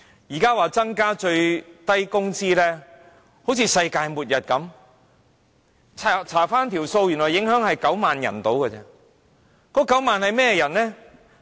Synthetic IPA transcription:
jiː˨˩kaː˥waː˨˧t͡sɐ˥ŋkaː˥t͡ʃɵ˧ɥt̪ɐ˥jkʊ˥ŋt͡siː˥lɛː˥ | ho˨˥wt͡sʰiː˧sɐ˧jkaː˧jmuː˨t̚jɐ˨t̚kɐ˨˥m | t͡sʰa˨˩t͡sʰaː˨˩faː˥nt̪ʰiː˨˩wso˧wjy˨˩nlɔː˨jɪ˨˥ŋɦœː˨˥ŋhɐ˨jkɐ˨˥wmaː˨njɐ̰˨˩nt̪o˨˥wkə˧t͡sɛ˥ | kɔː˨˥kɐ˨˥wmaː˨nhɐ˨jmɛː˥˧jɐ˨˩nlɛː˥

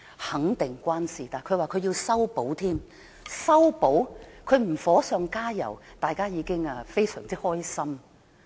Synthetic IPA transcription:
hɐ˨˥ŋt̪ɪ˨ŋkʷaː˥nsiː˨˩t̪aː˨˩jkʰwaː˨kʰɵ˨˧ɥjiː˧wsɐ˥wpo˨˥wt̪ʰiː˥m | sɐ˥wpo˨˥wkʰɵ˨˧ɥm̩˨˩fɔː˨˥sœː˧ŋkaː˥jɐ̰˨˩wt̪aː˨jkaː˥jiː˨˧kɪ˥ŋaː˧fe˥jsœ̰ː˨˩ŋt͡siː˥hɔː˥jsɐ˥m

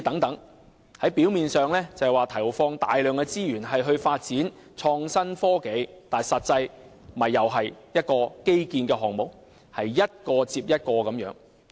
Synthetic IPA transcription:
t̪ɐ˨˥ŋt̪ɐ˨˥ŋ | hɐ˨˥jpiː˨˥wmiː˨nsœː˨ŋlɛː˥t͡sɐ˨waː˨˧t̪ʰɐ˨˩˨fɔː˧ŋt̪aː˨jlœː˨ŋkɛ˧t͡siː˥jyː˨˩nɦɐ˨jɦɵ˧ɥfaː˧t̚t͡siː˨˥n | t͡ʃʰɔː˧ŋsɐ˥nfɔː˥ke˨˧jt̪aː˨nsɐ˨t̚t͡sɐ˧j | mɐ˨jːɐ˨wɦɐ˨jjɐ˥t̚kɔː˧ke˥jkiː˨˧nkɛː˧ɦɔː˨ŋmo˨˩k̚ | hɐ˨jːɐ˥t̚kɔː˧t͡siː˧p̚jɐ˥t̚kɔː˧kɐ˨˥mjœː˨˥ŋ

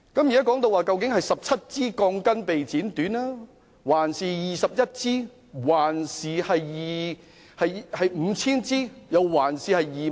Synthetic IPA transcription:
kɐ˨˥mjɐ˥kɔː˨˥ŋt̪o˧waː˨˧kɐ˧wkɪ˨˥ŋhɐ˨jsɐ˨p̚t͡sʰɐ˥t̚t͡siː˥kɔː˧ŋkɐ˥npe˨jt͡siː˨˥nt̪yː˨˥nlaː˥ | waː˨˩nsiː˨jiː˨sɐ˨p̚jɐ˥t̚t͡siː˥ | waː˨˩nsiː˨hɐ˨jjiː˨ | hɐ˨jhɐ˨jm̩˨˧t͡sʰiː˥nt͡siː˥jɐ˨˧wwaː˨˩nsiː˨hɐ˨jːiː˨

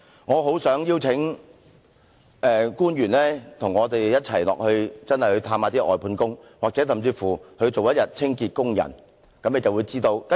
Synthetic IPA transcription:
ŋɔː˨˧ɦo˨˥wsœː˨˥ŋjiː˥wt͡sʰɪ˨˥ŋ | ʔɛː˨˧kuː˥njyː˨˩nlɛː˥t̪ʰʊ˨˩ŋɔː˨˧t̪e˨˩jjɐ˥t̚t͡sʰɐ˨˩jlɔ̰ː˨k̚hɵ˧ɥt͡sɐ˥nhɐ˨jhɵ˧ɥt̪ʰaː˧maː˨˧t̪iː˥ʔɔ̰ː˨jpʰuː˨˥nkʊ˥ŋwaː˨k̚t͡sɛ˨˥sɐ˨˩mt͡siː˧fuː˨˩hɵ˧ɥt͡so˨wjɐ˥t̚jɐ˨t̚t͡sʰɪ˥ŋkiː˧t̚kʊ˥ŋjɐ̰˨˩n | kɐ˨˥mːne˨˧t͡sɐ˨wuː˨˧jt͡siː˥t̪o˧wt

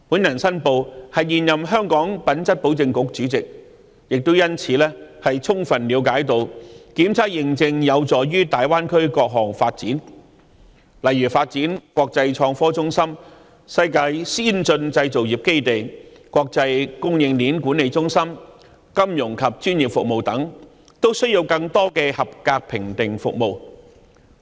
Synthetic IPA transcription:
puː˨˥njɐ˨˩nsɐ˥npo˨˧whɐ˨jːiː˨njɐ˨mɦœː˥ŋkɔː˨˥ŋpɐ˨˥nt͡sɐ˥t̚po˨˥wt͡sɪ˧ŋkʊ˧˥k̚t͡ʃyː˨˥t͡sɪ˨k̚ | jɪ˨k̚t̪o˥wjɐ˥nt͡sʰiː˨˥lɛː˥hɐ˨jt͡sʰʊ˥ŋfɐ˨˩nliː˨˧wkaː˨˥jt̪̬o˨wkiː˨˥mt͡sʰaː˥k̚jɪ˧ŋt͡sɪ˧ŋjɐ˨˧wt͡sɔː˨˩jɥyː˥t̪aː˨jwaː˥nkʰɵ˥ɥkɔː˧k̚ɦɔː˨˩ŋfaː˧t̚t͡siː˨˥n | lɐ˨jɥyː˨˩faː˧t̚t͡siː˨˥nkʷɔː˧k̚t͡sɐ˧jt͡ʃʰɔː˧ŋfɔː˥t͡sʊ˥ŋsɐ˥m | sɐ˧jkaː˧jsiː˥nt͡sɵ˧nt͡sɐ˧jt͡so˨˩wjiː˨p̚ke˥jt̪e˨˩jkʷɔː˧k̚t͡sɐ˧jkʊ˥ŋjɪ˧ŋliː˨˥nkuː˨˥nːe˨˧jt͡sʊ˥ŋsɐ˥m | kɐ˥mjʊ˨˩ŋkʰɐ˨p̚t͡ʃyː˥njiː˨˩p̚fʊ˨k̚mo˨wt̪ɐ˨˥ŋ | t̪o˥wsɵ˥ɥji˧wkɐ˧ŋt̪ɔː˥kɛː˧hɐ˨p̚kaː˧k̚pʰɪ˨˩ŋt̪ɪ˨˩ŋfʊ̰˨k̚mo˨˩w

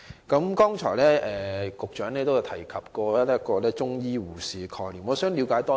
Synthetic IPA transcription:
kɐ˨˥mkɔː˥ŋt͡ʃʰɔ̰ː˨˩jlɛː˥ɛː˨kʊ˨k̚t͡ʃœː˨˥ŋnɛː˥t̪o˥wjt̪ʰɐ˨˩jkʰɐ˨p̚kɔː˧˥lːkɔː˧lɛː˥t͡ʃʊ˥ŋjiː˥wuː˨˩siː˨kʰɔː˨˧jliː˨˩mɔː˨˧sœː˨˥ŋli˨˧wkaː˨˥jt̪ɔː˥

